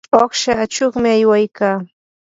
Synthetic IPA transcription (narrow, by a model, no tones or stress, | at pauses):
oχʃaːt͡ʃoχmɪajwajkaː